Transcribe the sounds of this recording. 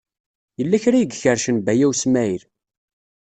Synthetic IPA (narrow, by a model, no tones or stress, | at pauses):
jəlːæçɾæjəɡçəɾʃənbæjæwsmæiɾ